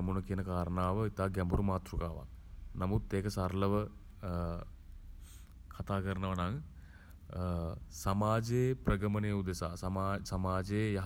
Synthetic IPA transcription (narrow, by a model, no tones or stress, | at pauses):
munəkiənəkaːɾənaːʋəit̪aːɡɛmbuɾumaːt̪ɾukaːʋa̰ŋnamud̪ːeːkəsaɾləʋə | kʰat̪aːkəɾənəʋɐnaŋ | samaːd͡ʒeːprəɡəməneːud̪esa̰ːsmaːsamaːd͡ʒeːjɐɦ